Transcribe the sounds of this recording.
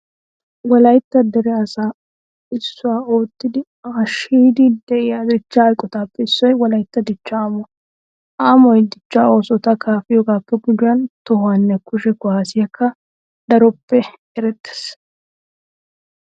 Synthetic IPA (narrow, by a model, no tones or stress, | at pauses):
wɔlɐjt̪ːɐd̪ɛɾɛɐsa | ɪsːʊwaːo̞ːt̪ːɪd̪ɪ | aːʃiːd̪ɪd̪ɛʔɪjad̪ɪt͡ʃːahɐjkʼːɔt̪aːpːɛɪsːɔjwɔlɐjt̪ːɐd̪ɪt͡ʃːaaːmɔ | ʔaːmɔjd̪ɪt͡ʃːao̞ːsɔt̪ɐkʰaːfɪjɔɡaːpːɛɡʊd͡ʒʊɐnt̪ɔhʊwanːɛkʊʃɛɡʊaːsɪjɐkʰːɐ | d̪ɐɾɔpːɛ | ɛɾɛt̪ːɛ̥s